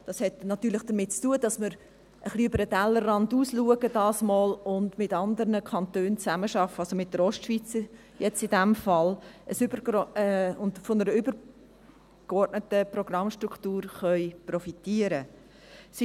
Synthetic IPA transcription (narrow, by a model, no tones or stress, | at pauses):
d̥ɑshɛtnɑt̪ːyːɾlɪχd̥əɾmɪt̚t͡stuːədɑsməɾ | ʔəχliʏbəɾədælːərrɑnduːsluəɡəd̥ɑːsmoːlʊndmɪtɑnd̪əɾnəkʰɑntøːnt͡sæməʃɑfːəɑlsomɪt̚d̥əɾɔʃtʃv̥it͡s | jɛt͡sɪdæmfɑləsʏbəɔʊndfonəɾəʏbəɾ | kɔrtnətəprɔɡ̥rɑmʃtɾukʰtuːɾχœʏprɔfitiəɾə | s